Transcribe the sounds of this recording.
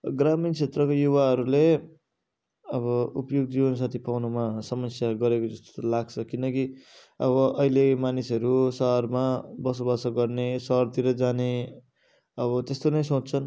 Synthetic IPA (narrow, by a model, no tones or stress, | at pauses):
ɡramint͡sʰet̪rʌkojuβaɦʌɾule | ʌβʌupjoɡ̚d͡ziʌns̬at̪ʰipawnumasʌmʌsjaɡʌɾekod͡zʌst̪laɡt͡sʰʌkinʌki | ʌβʌʔʌilemanisʌɾusʌɦʌrmabʌsobʌsʌɡʌrnesʌɦʌrt̪iɾʌd͡zane | ʌβʌt̪est̪onʌjsott͡sʰʌn